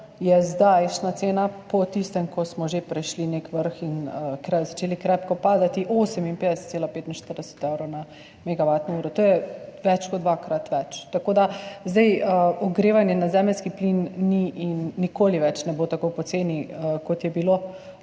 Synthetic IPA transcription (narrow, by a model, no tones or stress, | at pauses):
jɛzd̪ajʃnat̪seːnapɔt̪ist̪ɛmkɔsmɔʒepɾɛʃlinekʋəɾxinəkɾɛjzat͡ʃeːlikɾɛpkɔpaːd̪at̪iʔoːsɛminpeːd̪ɛsɛt̪seːlapeːt̪inʃt̪əɾd̪ɛsɛ̥t̪ɛwɾowna | mɛɡabat̪nɔuɾɔt̪oːjɛʋɛt͡ʃkɔd̪d̪ʋakɾat̪ʋɛt͡ʃt̪akoːd̪azd̪ɛjəɔɡɾeːʋanjɛnazɛːmɛlskiplinːiʔinːikoːliʋɛt͡ʃnɛbot̪akowpɔseːniəkɔt̪jɛbilo